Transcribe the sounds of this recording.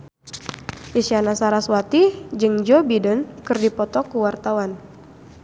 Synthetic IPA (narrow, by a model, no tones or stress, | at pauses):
ʔisianasaɾaswat̪id͡ʒɨŋd͡ʒɔbidənkɨrdipɔt̪ɔkuwart̪awan